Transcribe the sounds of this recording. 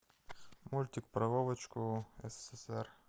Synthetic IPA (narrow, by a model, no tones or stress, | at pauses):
mulʲt̪ʲɪkpɾɐvovət͡ɕkʊɛsɛ̥sɛsɛr